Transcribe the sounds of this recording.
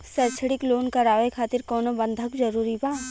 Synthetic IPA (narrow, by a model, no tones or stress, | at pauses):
sɛːt͡ʃʰɽɪkloːnkɐɾaːʋekʰaːt̪ɪɾkɔːnobə̃nd̪ʱəkd͡ʒɐɾuːɾibaː